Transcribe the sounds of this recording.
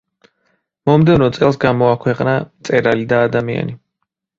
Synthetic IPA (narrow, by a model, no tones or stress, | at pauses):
mɔmd̪ɛvnɔt̪sʼɛlˠsɡamɔakʰwɛqʼnamt̪sʼɛɾalid̪aːd̪amia̰ni